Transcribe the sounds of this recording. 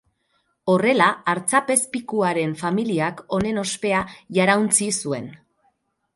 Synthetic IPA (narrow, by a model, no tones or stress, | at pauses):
o̞re̞laːɾt͡sape̞spikuaɾe̞ɱfamiliako̞ne̞no̞spe̞aʝaɾawnt͡sisue̞̰n